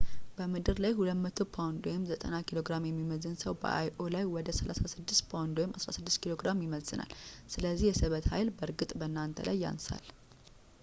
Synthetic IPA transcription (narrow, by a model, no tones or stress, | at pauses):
bəmɨd̪ɨɾlajhulət̪mət̪ʰo̞pʰawnd̪ojɛmzət̪ʼənakʰilo̞ɡɾamjɛmːiməzɨnsəwbə̰ʔajʔo̞lajwɔd̪əsəlʔa̰sasɨd̪ːɪst̪pʰawnd̪ojmʔasɾasɨd̪ːɨst̪kʰilo̞ɡɾamjɪməlsɨna̰lsɨləzːihjɛsɨβət̪hajlbəɾɡɨt̪ʼbənːant̪ʰə̰lə̰jːa̰nsa̰l